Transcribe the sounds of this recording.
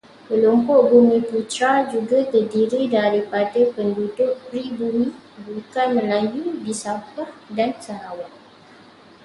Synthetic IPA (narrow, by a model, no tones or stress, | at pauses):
pəlumpʊʔbumĩput͡ʃad͡ʒuɡat̪ərdiɾidaɾipadapəndudʊʔ̚pɾibumĩ | bukanmə̃lajudisapahdansəɾawaʔ̚